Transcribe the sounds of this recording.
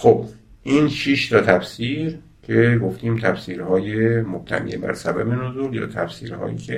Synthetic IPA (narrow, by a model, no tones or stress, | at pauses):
xob̥ | ʔiːnʃiʃt̪ʰɒːt̪ʰæfsiːɾ | cʰe̞ɡoft̪iːmt̪ʰæfsiːɾhɒːjemob̥̚t̪ʰæ̰nḭːebæ̰ɾsæbæbenozuːljɒ̰ːt̪ʰæfsḭːɾhɒ̰ːjḭːkʰe